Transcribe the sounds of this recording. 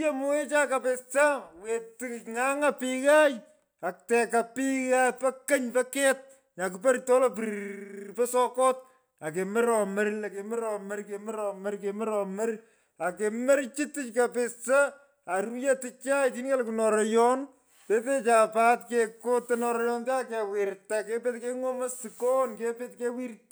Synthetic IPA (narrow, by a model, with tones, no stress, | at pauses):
a˦mu˦e˦t͡ʃa˦kapesa˦we˨tikŋa˦ŋa˦piɣaj | a˨k̚tɛ˨ka˨pi˦ɣapɐ˦kɐ˦ɲpɐ˦kɛ˦t̚ | ɲa˨k̬upɐ˦ɾtɔ˦lɔp̬iɾpɛ˦sɔkɔ˦t̚ | a˨k̬e˨me˦ɾɔ˨mɐɾla˨ke˨mɛ˦ɾɔmɐɾke˨mɛ˦ɾɔ˨mɐ˦ɾke˨mɛ˦ɾɔmɐ˦r | a˨ke˨mɐ˦ɾt͡ʃi˦tɪ˦t͡ʃkapesɐ˦ | a˨ɾuje˦ti˦t͡ʃa˦iti˦nka˦lkunɔɾɔjɔn | te˦te˦t͡ʃa˨patkekotːenɔ˨ɾɔjɔnte˦akewɪɾta˨kepe˦tke˦ŋo˦mɐ˦si˨ko˦nke˦pe˦t̚ke˦wi˦r